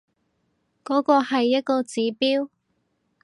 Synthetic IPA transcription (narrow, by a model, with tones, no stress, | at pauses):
kɔː˨˥kɔː˧hɐ˨jːɐ˥t̚kɔː˧t͡siː˨˥piː˥w